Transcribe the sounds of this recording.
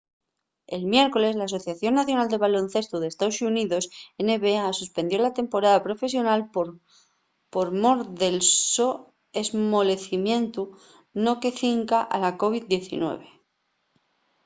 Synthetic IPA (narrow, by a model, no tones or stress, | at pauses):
e̞lmje̞ɾko̞le̞zlaːs̬o̞θjaθjo̞nːaθjo̞nald̪e̞βalo̞n̟θe̞st̪uðe̞ːst̪aosuniðo̞sene̞βeasuspe̞nd̪jo̞lat̪e̞mpo̞ɾaðapɾo̞fe̞s̬jo̞nalp | po̞ɾmo̞ɾðe̞lso | ezmo̞le̞θimjẽ̞nt̪u | no̞ke̞θiŋkaʔa̰lako̞β̞id̚d̪je̞θḭnwe̞̰β̞e̞